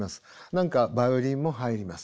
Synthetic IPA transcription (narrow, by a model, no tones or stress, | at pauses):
masɨ̥nãŋkabaɯɾʲĩmːo̞ɦaiɾʲimasɨ̥